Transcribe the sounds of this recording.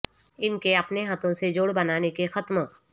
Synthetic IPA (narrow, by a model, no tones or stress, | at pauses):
ɪnkeɐpneɦət̪ʰõsed͡ʒoːɽbɐnaːnekexɐt̪m